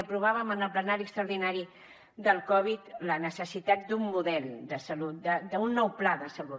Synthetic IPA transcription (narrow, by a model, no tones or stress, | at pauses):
əpɾuβ̞aβəmənəlˠplənaɾiəkst̪ɾəuwɾðinaɾi | d̪əlˠkɔβ̞it̪lənəsəsit̪at̪̚d̪umːuðɛlˠd̪əsəlut̪̚d̪əd̪əunːɔwplaðəsəlu